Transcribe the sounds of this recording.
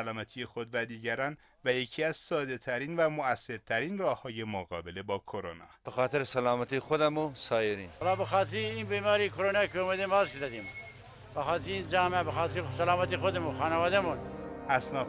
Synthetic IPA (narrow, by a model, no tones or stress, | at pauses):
ælɒːmæt̪ʰijexod̪væd̪iːɟæɾɒːn | væjecʰiːæzsɒːd̪e̞t̪ʰæɾiːnvæmoæsːe̞ɾt̪ʰæɾiːnrɒːhɒːje̞moɣɒ̰ːbele̞bɒːkʰoɾonɒ̰ːb̥exɑːt̪ʰeɾesælɑːmæt̪ʰixod̪æmosɒːjeɾḭːnlɑːbexɑːt̪ʰeɾinbiːmɑːɾikʰoɾonɑkʰeomed̪emɑzkezæd̪im | bexɑːt̪ʰeɾiind͡ʒɑːmæbexɑːt̪ʰeɾisalɑːmæt̪ixod̪emũxɑːneʋɑːd̪æmunʔæsnɒː